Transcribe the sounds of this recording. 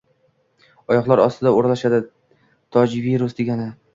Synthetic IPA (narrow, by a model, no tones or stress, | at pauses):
ɒjɒqlˠaɾɒst̪ʰɪd̪aoɾlaʃad̪ɪ | t̪ʰɒd͡ʒviɾʊsd̪eɡʲanɪ